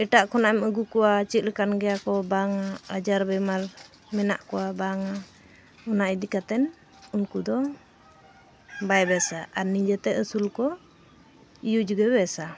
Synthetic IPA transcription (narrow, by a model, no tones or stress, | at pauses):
ɛʈaʔkʰɔnaɛməɡukɔwat͡ʃit̪̚ləkanɡɛjakɔbaŋaad͡ʒaɾbɛmaɾ | mɛna̰ʔkɔwabaŋa | ɔnaʔɛd̪ikat̪ɛn | unkud̪ɔ | bajɛbɛsaʔaɾnid͡ʒɛt̪ɛəsulkɔ | ijud͡ʒɡɛβɛsa